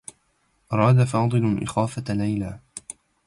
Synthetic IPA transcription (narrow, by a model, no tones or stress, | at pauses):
ʔɑɾˤɑːd̪afɑːd̪ˤɨlʔɪ̰xaːfalajlaː